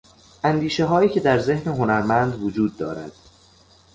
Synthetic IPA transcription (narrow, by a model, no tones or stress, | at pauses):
ʔænd̪iːʃe̞ɦɒːjiːcʰe̞d̪æɾze̞hneɦonæɾmænd̪vod͡ʒuːd̪̚ːɒ̰ːɾæ̰d̪̥